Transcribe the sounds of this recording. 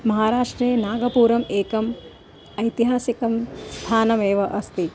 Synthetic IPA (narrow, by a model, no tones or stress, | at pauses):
mɐɦaːɾaːʂʈɾeːnaːɡɐpuːɾɐmeːkɐm | ɐjt̪iɦaːsikɐmst̪ʰaːnɐmeːʋɐʔɐst̪i